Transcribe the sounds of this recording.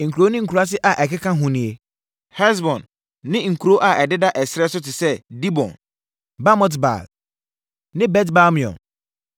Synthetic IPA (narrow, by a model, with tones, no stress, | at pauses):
ŋ̩˨ku˨ɾo˦nɪ̃˦ŋ̩˨ku˨ɾa˦s̬ɪ˦ʔa˨ʔɛ˨kɪ˦kʰã˦ɦʊ̃˦nĩ˨e˨ | hɛ˦s̬bɔ̃˨nː | ɪ̃˦ŋ̩˨kʰu˨ɾo˦ʔa˨ʔɛ˨dɪ˦da˦ʔɛ˨sɾɛ˦sʊ˦tɪ˨sɛ˦di˦bɔ̰̃˨n | ba˦mɔ˦tba̰˨l | nɪ̃˦bɛ˦tba˦mĩ˨ɔ̰̃˨n